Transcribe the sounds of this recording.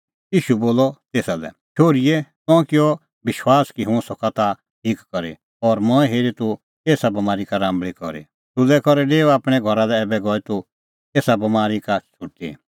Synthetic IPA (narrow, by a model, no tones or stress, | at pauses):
iːʃuboːlɔt̪eːsalɛ̰ | ʃʰoːɾijɛtɔ̃ːkɪɔ | bɪʃwaːskiɦʊ̃sɔkat̪a | ʈʰiːkːɔɾḛ | ɔːɾmɔ̃ɛɦeːɾit̪u | eːsabɐmaːɾikaɾãːmbɭikɔ̰ɾḛ | t̪ʊlɛkɔɾɛɖeːuaːpɽ̃ɛɡʱɔɾalɛɛːbɛɡɔit̪u | eːsabɐmaːɾikat͡ʃʰʊʈːḭ